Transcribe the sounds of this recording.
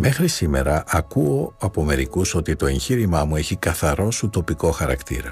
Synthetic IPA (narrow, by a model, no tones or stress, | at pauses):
me̞xɾisime̞̰ɾɐʔɐkuoɐpo̞me̞ɾikuso̞t̪it̪o̞e̞ɲçiɾimɐmue̞çikɐθɐɾo̞sut̪o̞piko̞xɐɾɐkt̪ḭɾɐ